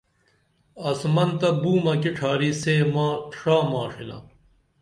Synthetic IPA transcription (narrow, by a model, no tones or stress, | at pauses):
ɐsmɐnt̪ɐbuːmɐkiʈʰaːɾiseːmãːʈʰʂaːmaːʂila̰